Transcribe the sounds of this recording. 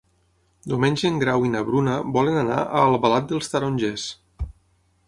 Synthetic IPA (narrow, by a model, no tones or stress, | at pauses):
d̪umenʲd͡ʒeŋɡɾawinəβɾunəbɔlənana̰ʔəlˠβəlat̪̚d̪əlˠst̪əɾonʲʒes